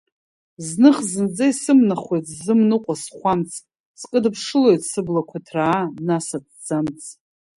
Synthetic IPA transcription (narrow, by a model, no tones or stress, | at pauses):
znɨχzɨnd͡zaisɨmnaχʷe̞jtʰʼzɨmnɨqʷʼasχʷamt͡sʰʼ | skʼɨdɨpʰʂɨlo̞jtʰʼsɨblakʷʰatʰraːnasad̚ʰd͡zamt͡sʼʰ